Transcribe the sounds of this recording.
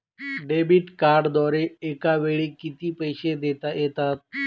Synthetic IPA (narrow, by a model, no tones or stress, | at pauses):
ɖebiʈkaɾɖd̪aɾeekaʋeɭikit̪iːpəjɕed̪et̪ajet̪at̪̚